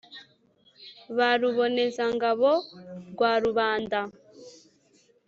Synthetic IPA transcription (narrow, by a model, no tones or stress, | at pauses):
βaɾuβonezaŋɡaβɔɡwaɾuβaːnda